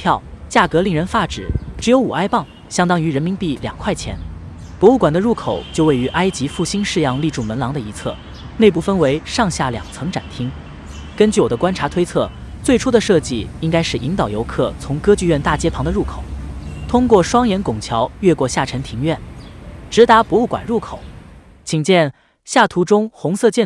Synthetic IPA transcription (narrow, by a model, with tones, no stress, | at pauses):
pʰjɑ˥˩ʊt͡ɕja˥˩kɤ˧˥li˥˩ŋɻə˧˥nfa˥ʈ͡ʂɻ̩˨˩˦ʈ͡ʂɻ̩˧˥jo˧˥ʊu˨˩a˥ɪpɑ˥˩ŋ | ɕjɑ˥ŋt̪ɑ˥ŋy˧˥ɻə˧˥nmi˧˥npi˥˩ljɑ̰˨˩ŋkʰwa˥˩ɪt͡ɕʰjɛ̰˧˥n | pwɔ˧˥u˥˩kwa˨˩nd̪ə˦ɻu˥˩kʰo˨˩ʊt͡ɕjo˥˧ʊwe˥˩ɪy˧˥ʔa˥ɪt͡ɕi˧˥fu˥˩ɕi˥nʂɻ̩˥˧jɑ˥˧ŋli˥˧ʈ͡ʂu˥˩mə˧˥nlɑ˧˥ŋd̪ə˧i˧˥t͡sʰɤ̰˥˩ | ne˥˧ɪp̬u˥˩fə˥nwe˧˥ɪʂɑ˥˧ŋɕja˥˩ljɑ̰˨˩ŋt͡sʰɤ˧˥ŋʈ͡ʂa̰˨˩nt̪ʰi˥ŋ | kə˥nt͡ɕy˥˩wɔ˨˩d̪ə˦kwa˥nʈ͡ʂʰa˧˥t̪ʰwe˥ɪt͡sʰɤ˥˩ | t͡swe˥˩ɪʈ͡ʂʰu˥d̪ə˨ʂɤ˥˧t͡ɕi˥˩i˥ŋka˥ɪʂɻ̩˥˩ʔi˧˥ŋt̪ɑ˨˩ʊjo˧˥ʊkʰɤ˥˩t͡sʰʊ˧˥ŋkɤ˥t͡ɕy˥˧ɥɛ˥˧nt̪a˥˩t͡ɕjɛ˥pʰɑ˧˥ŋd̪ə˧ɻu˥˩kʰo˨˩˦ʊt̪ʰʊ˥ŋkwɔ˥˩ʂwɑ˥ŋjɛ˧˥nkʊ˨˩ŋt͡ɕʰjɑ˧˥ʊɥɛ˥˧kwɔ˥˧ɕja˥˩ʈ͡ʂʰə˧˥nt̪ʰi˧˥ŋɥɛ˥˩nʈ͡ʂɻ̩˧˥t̪a˧˥pwɔ˧˥u˥˩kwa̰˨˩nɻu˥˩kʰo˨˩˦ʊ | t͡ɕʰi˨˩ŋt͡ɕjɛ˥˧n | ɕja˥˩t̪ʰu˧˥ʈ͡ʂʊ˥ŋxʊ˧˥ŋsɤ˥˧t͡ɕjɛ˥˩